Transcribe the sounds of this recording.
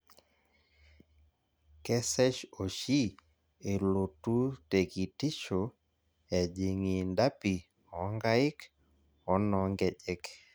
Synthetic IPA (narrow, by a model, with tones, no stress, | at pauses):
kɛ˦sɛ˦ʃo˨ʃi˦ | e˨lo˨tu˦te˨ki˨ti˦t͡ʃo˨ | ɛ˨d͡ʒi˨ŋi˨nda˦pi˨ | ɔ˨ŋɡa˦i˦k | ɔ˨˦nɔ˨ŋɡɛ˨ʄɛ˦k